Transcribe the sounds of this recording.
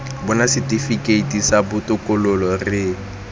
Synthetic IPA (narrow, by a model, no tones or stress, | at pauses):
bʊnasɪtʼifikʼeitʼisabʊtʼʊkʼɔlʊlɔrɪ